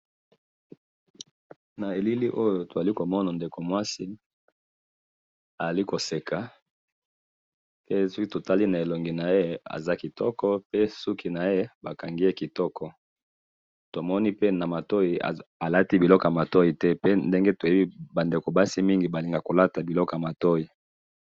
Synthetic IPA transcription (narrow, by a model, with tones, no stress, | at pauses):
na˨e˨li˦li˦ʔo˦jo˨to˨a˨li˦ko˨mɔ˦na˨nde˨ko˨mwa˦si˦ | a˨za˨li˦ko˨se˨kʰa˨ | pe˦sɔ˦ki˦to˨ta˦li˦na˨e˨lo˨ŋɡi˨na˨je˦a̰˨za˦ki˨tɔ˦kɔ˦pe˦su˦kʰi˦na˨je˦ba˨ka˨ŋɡi˦e˦ki˨tɔ˦kɔ˨ | to˨mɔ˦ni˦pe˦na˨ma˨to˦i˨a̰˨a˨la˦ti˦bi˨lɔ˦kɔ˨a˨ma˨tɔ˦i˨tɛ˦pe˦nde˦ŋɡe˦to˨je˦bi˦ba˨nde˨ko˨ba˦si˦mi˦ŋɡi˨ba˨li˨ŋɡa˨ko˨la˦ta˨bi˨lɔ˦kɔ˨a˨ma˨tɔ˦i˨